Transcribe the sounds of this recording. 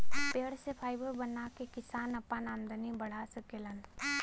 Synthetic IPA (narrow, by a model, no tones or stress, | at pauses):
peːɽsepʰaːɪbəɾbənakekɪsaːnɐpːanaːmd̪ənibəɽ̤asəkelən